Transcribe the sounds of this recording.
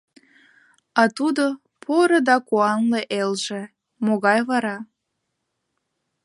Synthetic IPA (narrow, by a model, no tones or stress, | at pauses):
ɑt̪ud̪o | pʰoɾɤd̪ɑkuɑnleʔelʒe | moɣɑjβɑɾɑ